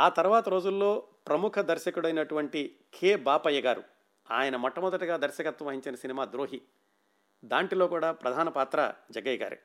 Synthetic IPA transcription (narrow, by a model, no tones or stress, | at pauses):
aːt̪ɐɾuʋaːt̪ɐɾo̞ːd͡ʒulːo̞ːpɾɐmukʰɐd̪ɐɾʃɐkuɽɐjnɐʈuʋɐɳʈi | kʰeːbaːpɐjːɐɡaːɾṵ | a̰ːjɐnɐmɔʈːɐmɔd̪ɐʈɐɡaːd̪ɐɾʃɐkɐt̪ːwɐmʋɐɦiɲt͡ʃinɐsinimaːd̪ɾoːɦi | d̪aːɳʈiloːkuːɽaːpɾɐd̪ʱaːnɐpaːt̪ɾa̰d͡ʒɐɡɐjɡa̰ːɾṵ